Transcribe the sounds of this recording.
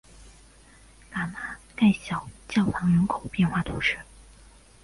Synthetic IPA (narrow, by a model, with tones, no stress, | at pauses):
ka˨˩ma˥˩ka˥˩ɪɕjɑ˨˩ʊt͡ɕjɑ˥˩ʊfʰɑ˧˥ŋɻə˧˥nkʰo˨˩ʊpjɛ˥˧nxwa˥˩t̪ʰu˧˥ʂɻ̩˥˩